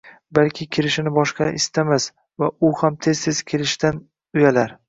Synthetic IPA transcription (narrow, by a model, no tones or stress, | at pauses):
balkʲʰɪkʲʰɪɾɪʃɪnɪbɒʃqɑʔɪst̪ʰamas | vaʊhamt̪ʰe̞z̥t̪ʰez̥kʲʰelɪʃt̪an | ʊjalaɾ